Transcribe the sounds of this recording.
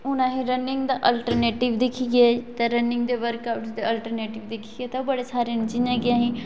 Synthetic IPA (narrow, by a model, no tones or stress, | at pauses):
ʊnãɦĩɾɐnɪ̃ŋɡd̪aʔɐlʈəɾneːʈɪʋd̪ɪkʰiɡet̪ɐɾɐnɪ̃ŋɡd̪eʋəɾkaːʊʈsd̪eɐlʈəɾneːʈɪʋd̪ɪkʰiɡet̪ɐbɐɽesaːɾiənɪt͡ʃĩɲãɡɪãːɦĩ